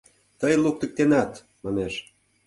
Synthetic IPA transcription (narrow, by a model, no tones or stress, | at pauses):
t̪əjluk̚t̪ə̆k̚t̪enɑt̪ | mɑneʃ